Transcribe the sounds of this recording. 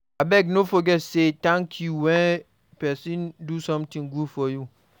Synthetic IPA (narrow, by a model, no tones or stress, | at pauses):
abɛɡnofɔɡɛtsetãŋkʰjuwɛ̃n | pɛsĩndusɔ̃mtĩŋɡudfɔju